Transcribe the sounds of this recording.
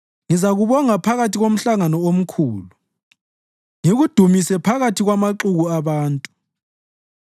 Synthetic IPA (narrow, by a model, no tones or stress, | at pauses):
ŋizaɣuβɔŋapʰaɣatʰiɣom̩ɬaŋanɔom̩kʰuːlu | ŋeɣud̥ʱumisɛpʰaɣatʰiɣwamaǁuɣuaβaːntʼu